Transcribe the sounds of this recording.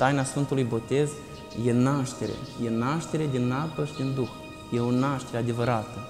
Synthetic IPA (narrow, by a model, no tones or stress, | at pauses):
t̪ajnasfɨnt̪ulujbo̞t̪e̞z | je̞naʃt̪e̞ɾḛje̞naʃt̪e̞ɾe̞d̪inːapəʃid̪ind̪ux | je̞onaʃt̪e̞ɾead̪e̞vəɾat̪ə